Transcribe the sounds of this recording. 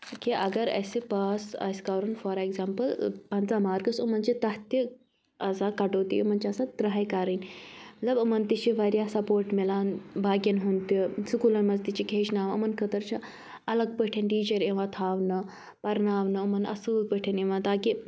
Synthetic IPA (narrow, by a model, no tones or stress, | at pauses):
kiʔɐɡɐɾɐ̰sepaːsɐ̰ːskɐʋɾɐnfɔːɾeɡzampəlpɐnt͡samaːɾɡɐsumɐnt͡ʃit̪ɐht̪i | ɐzakɐʈoːt̪ḭumɐnt͡ʃʰasad̪ɾɐɦajkaɾənʲmɐt̪lɐbɐmɐnt̪it͡ʃiʋaɾjasɐpoːɾʈmelaːnbʱaːɡʲɐnɦunt̪isukuːlɐnmɐzt̪it͡ʃikʰeːʃnaːʋɐ̰mɐnkɐt̪ɐɾt͡ʃʰa | ɐlɐɡ̚pəʈʰɐnʈiːd͡ʒɐɾẽʋãt̪ʰaːʋnɐ | pɐɾnaːʋnɐɐmɐnɐ̰suːlpəʈʰenẽʋãt̪aːki